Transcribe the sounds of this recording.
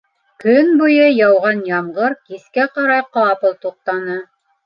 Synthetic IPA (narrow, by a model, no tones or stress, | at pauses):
kɵnbujɤjɑwʁɑnjɑmʁɤɾkiskæqɑɾɑjqɑpɤlˠt̪uq̚t̪ɑnɤ